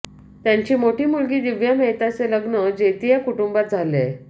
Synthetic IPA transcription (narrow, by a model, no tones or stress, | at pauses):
t̪jaɲt͡ɕiːmoʈiːmulɡiːd̪iʋjamɛɦt̪at͡seləɡnəd͡ʑet̪ijakuʈumbat̪̚d͡zʱalḛ